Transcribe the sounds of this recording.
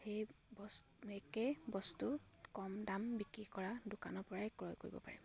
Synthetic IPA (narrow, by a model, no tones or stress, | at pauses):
xejbs | ekebɔstu | kɔmdambikɹikɔɹadʊkanɔpɔɹaɛkɹɔjkoɹibɔ̰pa̰ɹɛ̰